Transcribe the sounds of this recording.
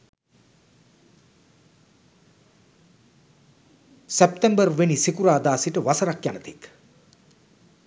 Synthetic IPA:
sep̚t̪embərʋenisikuɾaːd̪aːsiʈəʋasəɾakjanət̪ik

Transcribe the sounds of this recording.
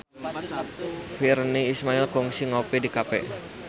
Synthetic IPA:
firniːsmaɪlkɔŋsiŋopidikapɛ̰

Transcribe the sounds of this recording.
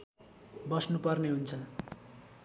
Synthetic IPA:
bʌsnupʌrneɦunt͡sʰʌ

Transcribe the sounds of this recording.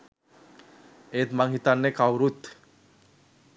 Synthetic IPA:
et̪maŋɦit̪anːekawɾut̪

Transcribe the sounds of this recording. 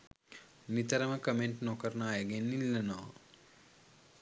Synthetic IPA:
nit̪əɾəməkəmeɳʈnokəɾnaːjəɡenːilːɐno̰ː

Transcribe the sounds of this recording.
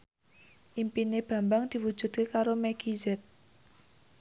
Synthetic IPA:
ʔimpineb̥ä̤mbaŋd̪̥i̤wud̥ʒ̥ṳd̪̥̚kekaɾomɛɡ̥izɛt̪̚

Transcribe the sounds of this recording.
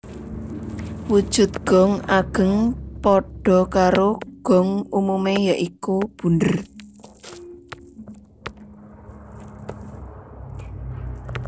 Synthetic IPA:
wud̥ʒ̥ʊ̤t̪̚ɡ̥ɔ̤ŋaɡ̥ə̤ŋpɔɖ̥ɔ̤kaɾoɡ̥ɔ̤ŋumumejaʔikub̥ṳndər

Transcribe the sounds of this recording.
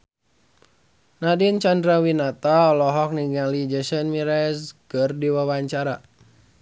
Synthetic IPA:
nadint͡ʃandɾawinat̪aɔlɔɦɔk̚niŋalid͡ʒəʃənmiɾɛskərdiwawaɲt͡ʃaɾa

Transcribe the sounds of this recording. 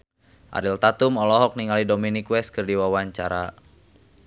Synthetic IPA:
ʔa̰ɾilt̪at̪umɔlɔɦɔk̚niŋalidominikwɛst̪̚kɨrdiwawaɲt͡ʃaɾa̰

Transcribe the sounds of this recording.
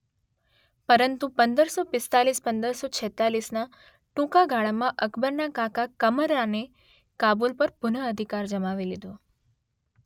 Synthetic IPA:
pəɾənt̪upənd̪əɾsopɪst̪alispənd̪əɾsot͡ʃʰɛt̪alisna | ʈũkaɡʱaɭamãʔəkʰbəɾnakakakəməɾane | kabulpəɾpʊnəəd̪ʱikaɾd͡ʒəmaʋilid̪o

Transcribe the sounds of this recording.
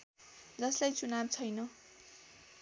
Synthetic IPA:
d͡zʌslajt͡sunab̚t͡sʰʌjnʌ

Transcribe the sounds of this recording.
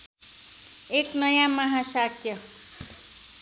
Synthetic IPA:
eknʌjãmaɦãsakjʌ

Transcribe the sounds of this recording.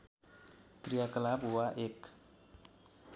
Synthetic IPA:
tɾiakəlabuwaʔɪk

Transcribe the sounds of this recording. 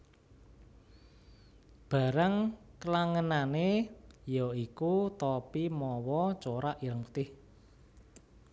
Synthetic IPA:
b̥a̤ɾəŋkəlaŋənanejɔikut̪ɔpimɔwɔt͡ʃoɾaʔiɾəŋut̪ɪh

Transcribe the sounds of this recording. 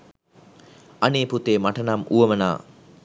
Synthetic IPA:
aneːput̪eːmaʈənamʔṵʋəməna̰ː

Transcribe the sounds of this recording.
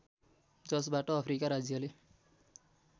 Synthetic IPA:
d͡zʌsbaʈʌʌpʰrikaɾad͡zjʌle

